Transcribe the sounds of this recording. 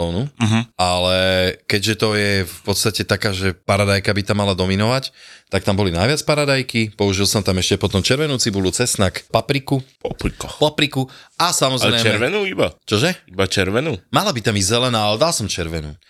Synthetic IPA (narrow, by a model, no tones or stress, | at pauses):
lɔʊnuɦ̩alɛkɛɟʒɛt̪ɔjɛfpɔt̪st̪acɛt̪akaːʒɛpaɾad̪ajkabit̪amːalad̪ɔminɔʋact̪ak̚t̪ambɔlinajʋɪat͡spaɾad̪ajkipɔuʒilsɔmt̪amɛʃcɛpɔt̪ɔmt͡ʃɛɾʋɛnuːt͡sibulut͡sɛsnakpapɾikupɔpɾikɔpɔpɾikuasamɔzɛɾɛjɛɛɾʋɛnuːibat͡ʃɔʒɛibat͡ʃɛɾʋɛnuːmalabit̪amizzɛlɛnaːalɛd̪alsɔmt͡ʃɛɾʋɛnṵː